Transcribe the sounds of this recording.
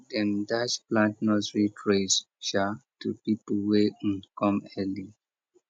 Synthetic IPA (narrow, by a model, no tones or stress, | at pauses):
dɛ̃ndat͡ʃplãntnɔsɹitʰɹes | ʃatupipwɛĩnkɔ̃mɛli